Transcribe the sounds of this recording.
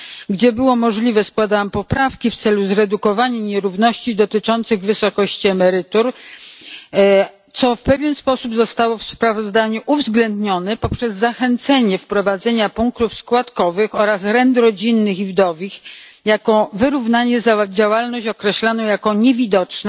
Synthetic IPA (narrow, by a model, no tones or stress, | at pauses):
ɡd͡ʑɛbɘwɔmɔʐlʲivɛskwad̪awampɔpɾafkʲift̪sɛluzɾɛd̪ukɔvaɲɛɲɛɾuvnɔɕt͡ɕid̪ɔt̪ɘt͡ʂɔnt̪sɘɣvɘsɔkɔɕt͡ɕiɛmɛɾɘt̪uɾ | t̪sɔfpɛvʲjɛnspɔsubzɔst̪awɔfspɾavɔzd̪aɲuʔuvzɡlɛnd̪ɲɔnɛpɔpʂɛzːaxɛnt̪sɛɲɛfpɾɔvad̪zɛɲapuŋk̚t̪ufskwat̪kɔvɘxɔɾasɾɛnd̪ɾɔd͡ʑinːɘxivd̪ɔvʲix | jakɔvɘɾuvnaɲɛzad͡ʑawalnɔɕt͡ɕɔkɾɛɕlanɔ̃w̃jakɔɲɛvʲid̪ɔt͡ʂn